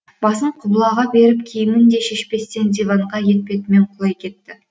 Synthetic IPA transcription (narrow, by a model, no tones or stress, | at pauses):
b̥ɑsəɴqʰʊblˠɑʁɑbe̞ɾɪp̚kʲʰejɪmɪnd̪e̞ʃe̞ʃpe̞st̪e̞nd̪evɑɴʁɑje̞t̪̚pʲe̞t̪ɪme̞ɴqʰʊlˠɑjkʲʰe̞t̪ːɪ